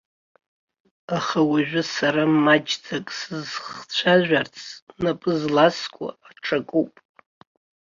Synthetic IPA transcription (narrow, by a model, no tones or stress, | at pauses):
aχawaʒᶣʷʊsaɾamːad͡ʒd͡zʰakʼsɨzχt͡ɕʷʰaʒᶣʷart͡sʰnapʼɨzlaskʷʼa̰ːʈ͡ʂʰakʼupʼ